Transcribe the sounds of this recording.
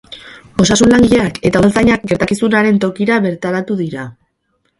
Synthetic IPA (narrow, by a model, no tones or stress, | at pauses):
o̞sasunlaŋɡiʎe̞ake̞t̪auðelt͡sajɲak̚ɡe̞ɾt̪akisunaɾe̞nt̪o̞kiɾaβe̞ɾt̪aɾat̪uðiɾa